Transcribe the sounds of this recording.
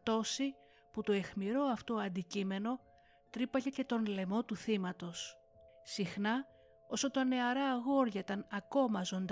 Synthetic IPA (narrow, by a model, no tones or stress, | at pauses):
t̪o̞si | put̪o̞e̞xmiɾo̞ɐft̪o̞ɐnd̪icime̞no̞ | t̪ɾipɐʝe̞ce̞t̪o̞nle̞mo̞t̪uθimɐt̪o̞s | sixnɐ | o̞so̞t̪ɐne̞ɐɾɐːɣo̞ɾʝɐit̪ɐnɐko̞mɐzo̞nd̪